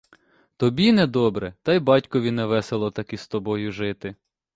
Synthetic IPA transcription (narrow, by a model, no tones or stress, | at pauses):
t̪ɔbʲinɛd̪ɔbɾɛt̪ɑjbɑtʲkɔʋʲinɛʋɛselˠɔt̪ɐkist̪ɔbɔjʊʒɪt̪ɪ